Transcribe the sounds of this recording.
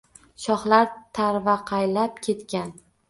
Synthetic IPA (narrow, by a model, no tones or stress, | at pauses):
ʃɒχlaɾt̪ʰaɾvaqʰɑjlap̚kʲʰe̞t̪kʲan